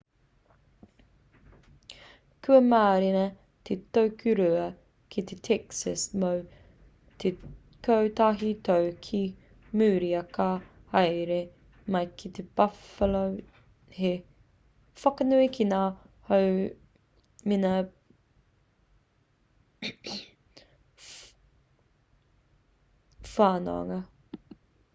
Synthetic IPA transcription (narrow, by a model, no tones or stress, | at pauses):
kʰʉɐmaːɾinɐ | t̪ʰet̪owkʰʉɾʉɐ | kʰit̪ʰet̪ʰɛksɐsmow | te | kʰowt̪aːɦit̪owkʰi | mʉːɾiɐkɐ | ɐjɾe | mɐjkʰit̪eb̥ɐfɐlo | he | fɐkɐnuikʰinaːhow | minɐ | faːno̰ɐ̰ŋɐ